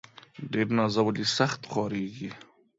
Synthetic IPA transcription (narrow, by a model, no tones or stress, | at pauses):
ɖeːɾnazawəlisaxt̪χɑɾeːɡi